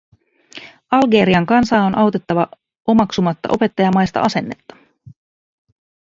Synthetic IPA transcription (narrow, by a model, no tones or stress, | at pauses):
ɑlɡe̞ɾiɑŋkɑnsɑːonʔɑwt̪e̞t̪ːɑʋɑ | o̞mɑksumɑt̪ːɑ̰ʔo̞pe̞t̪ːɑjɑmɑjst̪ɑ̰ʔɑse̞nːe̞t̪ːɑ̥